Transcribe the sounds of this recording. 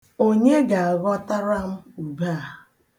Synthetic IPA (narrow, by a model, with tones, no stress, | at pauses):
o˦ɲe˦ɡa˨a˨ɣɔ˦ta˦ɾa˦m̩˦u˨ba˦˨